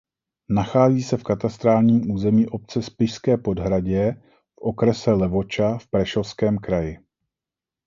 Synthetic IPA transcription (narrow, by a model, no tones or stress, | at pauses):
naxaːziːsɛfkat̪ast̪ɾaːlɲiːmʔuːzɛmiːʔo̞p̚t͡sɛspɪʃskɛːpodɦɾaɟɛ | fʔokɾɛsɛlɛvo̞t͡ʃafpɾɛʃofskɛːmkɾajɪ